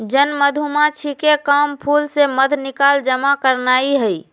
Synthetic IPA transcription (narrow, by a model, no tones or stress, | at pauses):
d͡ʒənməd̪ʱumat͡ʃʰikekampʰulseməd̪ʱnikald͡ʒəmakəɾnaiɦəj